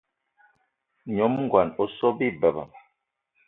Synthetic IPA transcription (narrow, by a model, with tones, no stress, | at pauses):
ɲɔ˨˦mŋ̩˦ɡwa˨nɔ˨sɔ˦bi˦˨bə˨ba̰˨m